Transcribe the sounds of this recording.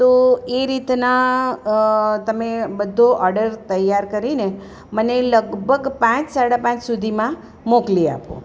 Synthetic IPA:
t̪oeɾit̪na | t̪əmebəd̪ʱːoʔɔɾɖəɾt̪əjaɾkəɾine | məneləɡbʱəɡpãt͡ʃsaɽapãt͡ʃsud̪ʱimã | moklia̰põ̰

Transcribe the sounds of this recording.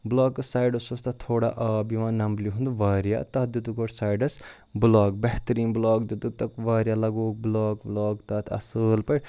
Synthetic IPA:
blɔːkɨsaːjɖɐsost̪ɐt̪ʰoːɽa̰ʔbiʋãːnɐmbliɦund̪uʋaːɾija̰t̪ɐd̪ut̪ukoʈsaːjɖɐs | blaːk̚beɦt̪ɐɾiːnblɔːk̚d̪ut̪ut̪ɐkʋaːɾijalɐɡoːk̚blɔːkblɔːkt̪ɐt̪ʰɐ̰sɨːlpɐɾʲ

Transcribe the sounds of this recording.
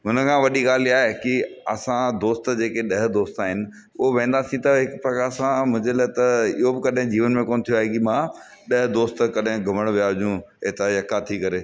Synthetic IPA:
ɦʊnəkʰãːʋɐɗiɡaːl̤iaːɦekiɐ̰sãd̪oːst̪d͡ʑeːkeɗɐɦɪd̪oːst̪aːɦɪnɪ̆ | ʊɦoʋẽːn̆d̪asĩt̪ɐɦɪkpɾɐkaːsãmʊ̃ɦɲd͡ʑelɐːɦt̪ɐɪ̰ɦobɪkɐɗɦɪ̃d͡ʑiːʋənmẽkoːnt̪ʰijoaːɦekimãː | ɗɐɦd̪oːst̪kɐɗɦɪ̃ɡʱɐməɽ̃ʋijaɦʊʄũ | eɦt̪ajɐkat̪ʰikɐɾeː

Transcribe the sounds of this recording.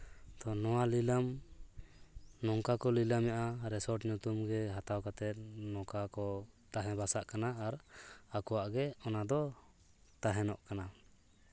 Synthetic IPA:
t̪ɔnɔwalilam | nɔŋkakɔlilamjaʔaɾɛsɔɾʈɲut̪umɡɛɦat̪awkat̪ɛt̪̚nɔkakɔt̪aɦɛ̃basaʔkanaːɾakɔwaʔɡɛɔnad̪ɔ | t̪aɦɛnɔ̰ʔkana

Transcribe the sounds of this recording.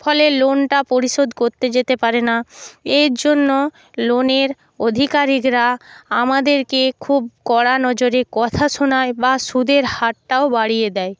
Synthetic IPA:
fʰɔlelonʈapoɾiʃod̪koɾt̪ed͡ʑet̪epaɾenaeɾd͡ʑonːo | loneɾ | od̪ʱikaɾikɾaamad̪eɾkekʰub̚kɔɽanɔd͡ʑoɾekɔt̪ʰaʃonaebaʃud̪ʱeɾhaʈʈaobaɽijed̪ɛe

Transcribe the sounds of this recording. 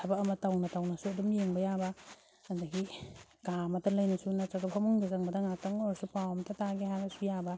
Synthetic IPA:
tʰabakːmɐtawnɐtawnasuɐdumjeŋbɐjabɐ | andɐɡiɡamɐtɐlɐjnɐsunat͡ʃaɡapʰamuŋdazaŋbɐdɐŋak̚taŋɔɾsupawɐmɐtʰataɡeɦanɐsujabɐ

